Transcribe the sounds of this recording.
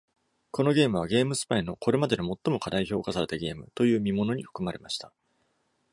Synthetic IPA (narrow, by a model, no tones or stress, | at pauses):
ko̞no̞ɡʲe̞ːmɯ̟β̞aɡʲe̞ːmɯ̟sɨ̥paino̞ko̞ɾe̞mad̪e̞nomo̞t̪ːo̞mo̞kad̪aiço̞ːkasaɾe̞t̪aɡʲe̞ːmɯ̟t̪o̞jɯ̟ːmʲimo̞no̞ɲ̟iɸɯ̥kɯ̟maɾe̞maɕi̥t̪a